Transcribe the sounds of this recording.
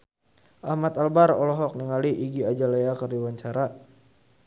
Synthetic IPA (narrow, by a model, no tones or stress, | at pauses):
ʔahmat̪albaɾɔ̰lɔɦɔk̚niŋaliʔiɡiad͡ʒalejakərdiwaɲt͡ʃaɾa